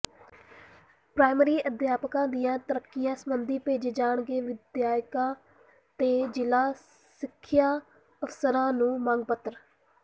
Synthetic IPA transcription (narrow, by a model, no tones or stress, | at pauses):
pɾaːɪməɾiːʔəd̪jaːpkãːd̪ijãːt̪əɾəkːɪjãːsəmənd̪iːpeːd͡ʒeːd͡ʒaːɳɡeːʋɪd̪jaːjkãː | t̪eːd͡ʒɪlaː | sɪkʰːjaː | əfsəɾãːnũːmãːŋɡ̚pət̪əɾ